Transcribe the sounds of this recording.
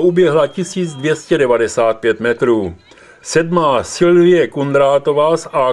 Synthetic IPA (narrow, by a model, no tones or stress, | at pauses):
ʔubjɛɦlacɪsiːd͡zd̪vjɛscɛdɛvadɛsaːt̪̚pjɛt̪mɛt̪ɾuː | sɛdmaːsɪlvɪjɛkund̪ɾaːt̪ovaːsa